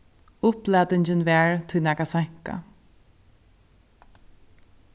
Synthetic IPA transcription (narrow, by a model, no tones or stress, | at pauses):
ʊplɛːd̪ɪɲt͡ʃənvɛːɹt̪ʰʊjnakasaŋ̥ka̰